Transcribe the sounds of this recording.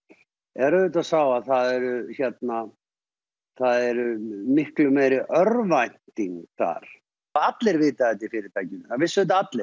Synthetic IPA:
ɛɾʏðʏt̪asaːwaθaðɛɾʏçɛt̪na | θaðɛɾʏmɪhklʏmejɾɪʔœɾvajt̪iŋkθa̰ɾ̥ | aat̪lɪɾvɪːt̪aɛt̪ɪifɪːɾɪɾt̪ʰajcɪnθavɪsːʏɪt̪̬aat̪lɪɾ̥

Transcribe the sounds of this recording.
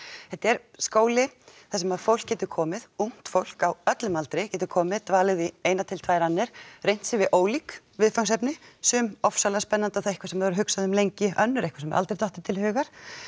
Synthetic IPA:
θɛht̪ɛɾ̥skoːwlɪθɛs̬ɛmaðfowl̥kcɛːt̪ʏkʰɔːmɪðuŋ̥t̪fowl̥kawœt̪lʏmalt̪ɾɪcɛːt̪̬ʏkʰɔːmɪðt̪vaːlɪðvɪejnat̪ʰɪlt̪ʰvaːjɾanːɪɾ̥rejn̥t̪sɪvɪʔoːwlik | vɪðfawŋsɛpnɪsʏmɔfsalaspɛnːant̪awθaɛhkvasɛmðaɾɦʏksaðʏmlejɲcɪʔœnːʏɾehkvḁsɛmːɛ̰ʔa̰lt̪ɾejt̪ɔht̪ɪt̪ʰɪlhʏːɣaɾ̥

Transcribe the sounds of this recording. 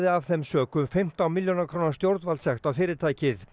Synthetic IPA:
ðɪavθɛmsœːkʏmfɪm̥t̪awmɪljonakʰɾownast̪jowɾt̪nvalsɛxt̪afɪːɾɪɾt̪ʰaːjcɪθ

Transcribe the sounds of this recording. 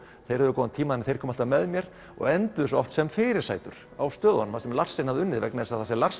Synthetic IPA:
θejɾɛðvʏkɔwant̪ʰiːmaðɛnθejɾ̥kʰɔːmḁt̪amɛðmjɛɾ̥ | ɔ̰ɣɛnt̪ʏðʏsɔɔft̪sɛmfɪːɾɪɾ̥sa̰ːjt̪ʏɾ̥ | a̰wst̪œːðanʏmasɛmlar̥sejnhavðʏʏnːɪðvɛknaðɛsaðθasɛlar̥s

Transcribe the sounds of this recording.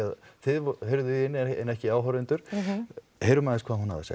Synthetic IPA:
aðθɪðvhœɾðʏiɪnːɛɛ̰nːɛhcɪaːwɦœɾɪnt̪ʏɾ̥ | hejɾʏmaːðɪnskʰvaːðhɦunha̰ðɪ̰sa̰

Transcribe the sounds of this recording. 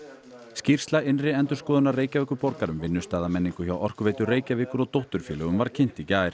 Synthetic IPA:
scir̥st̪laɪnrɪɛnt̪ʏɾ̥skɔːðʏnareːjcavɛhkʏpɔɾkaɾʏmvɪnːʏst̪aːðamɛnːiŋkʏçawʔɔr̥kveːjt̪ʏreːjcavɪːkʏɾɔt̪owht̪ʏɾ̥fjɛːlɛɣʏmvaɾ̥cʰɪn̥t̪icaːɪɾ̥

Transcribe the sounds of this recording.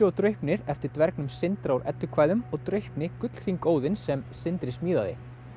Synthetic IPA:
ɔt̪ɾœɥhpnɪɾɛft̪ɪɾ̥t̪vɛɾknʏmsɪnt̪ɾawɾʔɛ̰t̪ːʏkʰvaːjðʏmɔɣt̪ɾœɥhpnɪkʏt̪l̥fiŋkoːwðɪnsɛmsɪnt̪ɾɪsmiːðaðɪ̰

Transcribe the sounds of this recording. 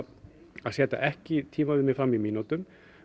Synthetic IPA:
aðsɛːt̪a̰ʔɛhcɪt̪ʰiːmaðʏnɪfɾamːimiːnut̪ʏm

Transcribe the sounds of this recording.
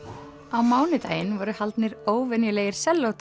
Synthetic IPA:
awmaːwnɪt̪a̰ːjɪnvɔːɾʏhalt̪nɪɾoːwvɛnjʏleːjɪɾ̥sɛlːowt̪

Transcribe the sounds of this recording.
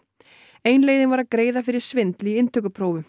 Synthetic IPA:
eːjnleːjðɪnvaɾaðkɾeːjðafɪɾɪɾ̥svɪnt̪liɪnt̪ʰœkʏpʰɾowvʏ

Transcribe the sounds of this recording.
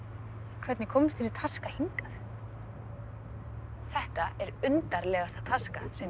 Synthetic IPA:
kʰvɛt̪nɪkʰɔmst̪ʰɪsɪt̪ʰaskahiŋkaθ | θɛht̪aɛɾʏnt̪aɾlɛːɣast̪at̪ʰaskasɛ

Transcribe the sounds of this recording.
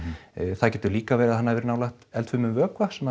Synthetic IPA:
θaðcɛːt̪ʏɾliːkavɛːɾɪaðhanːaðvɛɾʏnawlajht̪ɛlt̪fʏmʏmvœːkʰvasɛmːa

